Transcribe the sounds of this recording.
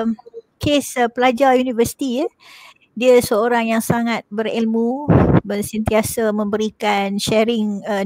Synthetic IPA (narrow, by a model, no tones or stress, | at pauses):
mkespəlad͡ʒajunivəsi̥t̪iə | diəsəoɾaŋjaŋsaŋat̪̚bəɾḭlmũbərsənt̪iasamə̃mbəɾikanʃɛɾɪŋə